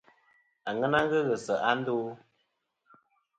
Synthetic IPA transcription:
a˨ŋə˦na˦ɣə˦ɣə˨sə˨ʔa˦n̩˦do˦

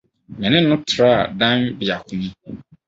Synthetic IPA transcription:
mɛ̃˨nɪ̃˦nʊ̃˦tʰɾa˦a̰˨dã˦nbɪ˨a˨kʰʊ̃˦mĩ˦

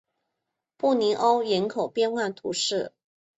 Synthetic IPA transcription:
pu˥˩ni˧˥ʔo˥ʊjɛ˧˥nkʰo˨˩ʊpjɛ˥nwa˥˩nt̪ʰṵ˧˥ʂɻ̩˥˩

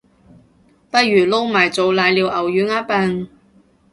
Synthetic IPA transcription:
pɐ˥jyː˨˩lo˥wmaː˨˩jt͡so˨˧wlaː˨˧jliː˨˧wʔɐ˨˩wjyː˨˥naː˥pɐ˧n

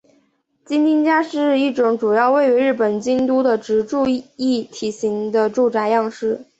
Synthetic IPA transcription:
t͡ɕi˥nt̪i˥nt͡ɕja˥ʂɻ̩˥˧i˥˩ʈ͡ʂʊ˨˧˥ŋʈ͡ʂu˨˩jɑ˥˧ʊwe˥˩ɪy˧˥ɻɻ̩˥˩pə˨˩nt͡ɕi˥nt̪u˥d̪ə˨ʈ͡ʂɻ̩˧˥ʈ͡ʂu˥˧i˥˩t̪ʰi˨˩ɕi˧˥ŋd̪ə˧ʈ͡ʂu˥˩ʈ͡ʂa˧˥ɪjɑ˥˧ŋʂɻ̩˥˩

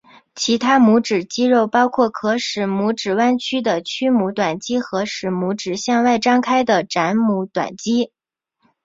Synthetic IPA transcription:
t͡ɕʰi˧˥t̪ʰa˥mu˧˥ʈ͡ʂɻ̩˨˩t͡ɕi˥ɻo˥˩ʊpɑ˥ʊkʰwɔ˥˩kʰɤ˧˥ʂɻ̩˨˩mu˧˥ʈ͡ʂɻ̩˨˩wa˥nt͡ɕʰy˥d̪ə˨t͡ɕʰy˥mu˧˥t̪wa˨˩nt͡ɕi˥xɤ˧˥ʂɻ̩˧˩mu˧˥ʈ͡ʂɻ̩˨˩ɕjɑ˥˧ŋwa˥˩ɪʈ͡ʂɑ˥ŋkʰa˥ɪd̪ə˨ʈ͡ʂa˧˥nmu˧˥t̪wa̰˨˩nt͡ɕi˥

